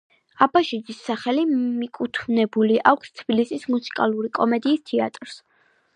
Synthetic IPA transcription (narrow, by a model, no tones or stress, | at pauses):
abaʃid͡ʒisːaχɛlimikʼut̪ʰmnɛbuliʔakʷʰst̪ʰb̥ilisismusi̥kʼa̰lˠuɾikʼɔmɛd̪iːst̪ʰɛa̰t̪ʼɾs